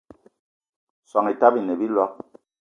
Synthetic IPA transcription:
sa˨ŋi˨ta˦bi˨ne˨bi˦lwa˦k̚

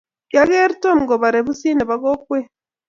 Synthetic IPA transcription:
kja˦ɣe˦ɾi˦to˦mu˨ɡo˨βa˨ɾe˨βu˦siː˦ne˨βa˨˦ɡo˦kwe˦

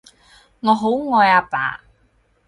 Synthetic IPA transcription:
ŋɔː˨˧ɦo˨˥wŋɔː˧jaː˧pa̰ː˨˥

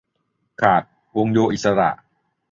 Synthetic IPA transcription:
kʰaː˨˩t̪̚ | wo˧ŋjoː˧ʔi˨˩t̪̚sa˧ɾa̰˨˩ʔ

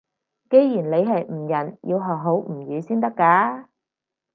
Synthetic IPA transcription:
ke˨˥jjiː˨˩nle˨˧jɦɐ˨jm̩˨˩jɐ˨˩njḭː˧wɦɔː˨˩k̚ɦo˨˥wm̩˨˩jyː˨˧siː˥nt̪ɐ˥kːaː˨˥

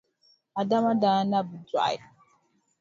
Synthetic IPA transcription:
a˨da˦ma˦da˨˦na˦bə˨da̰˦˨j

